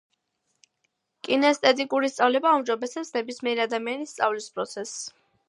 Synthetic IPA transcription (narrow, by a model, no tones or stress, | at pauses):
kʼinɛst̪ʼɛt̪ʼikʼuɾist̪sʼavlɛbaumd͡ʒɔbɛsɛpsnɛbismɛːɾiad̪amianist̪sʼa̰vlispʼɾɔt̪sʰɛs